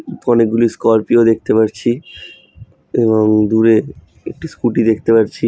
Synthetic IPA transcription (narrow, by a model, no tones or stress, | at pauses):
ɔnek̚ɡuliskɔɾpiod̪ek̚t̪epaɾt͡ɕʰi | eβoŋd̪uɾe | ek̚ʈiskuʈid̪ek̚ʰt̪epaɾt͡ɕʰi